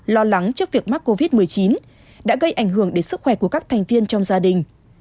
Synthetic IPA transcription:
lɔ˧la˨˦ŋt͡ɕɨ˦˥ək̚vi˨˩ək̚ma˦˥k̚kːo˧vi˦˥t̚mɨ˨˩əjt͡ɕi˨˦n | ɗa̰ː˧˥ɣə˧jʔa˧˩jŋ̟ɦɨ˧˩əŋɗe˨˦nsɨ˦˥k̚xwɛ˧˩ku˧˩əkaː˦˥k̚t̪ʰɛ˨˩jŋ̟vi˧ənt͡ɕɔ˧wŋ͡mzaː˧ɗï˨˩ŋ̟

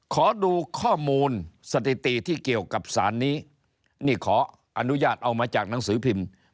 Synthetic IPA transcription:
kʰɔː˩˦duː˧kʰɔː˥˩muː˧nsa˧t̪ʰi˨˩t̪i˨˩t̪ʰiː˥˩ki˨˩əwka˨˩p̚sa̰ː˩˦nːiː˦˥ | niː˥˩kʰɔː˩˦ | ʔa˧nu˦˥jaː˥˩t̪̚ʔa˧wmaː˧t͡ɕaː˨˩k̚na˩˦ŋsɯː˩˦pʰi˧m

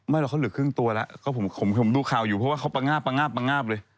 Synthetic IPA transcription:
ma˥˩la˧˩kʰa˥wlɯ˨˩˦kʰɯ˥˩˨ŋt̪u˧ɐla̰˦˥ʔkɔː˥˩pʰo˩˦mʰo˩˦mka˧˩pʰmd̪uː˧kʰaː˨˩wjuː˨˩pʰɔ˦˥waː˥˩kʰwpa˧ŋaː˥˩pːa˧ŋaː˥˩pːa˧ŋaː˥˩p̚lɤː˧j

